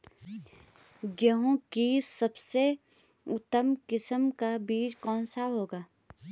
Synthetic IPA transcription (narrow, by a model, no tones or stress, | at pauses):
ɡjəɦõkisɐbse | ʊt̪ːəmkɪsəmkabiːɾkɔːnsaɦoːɡaː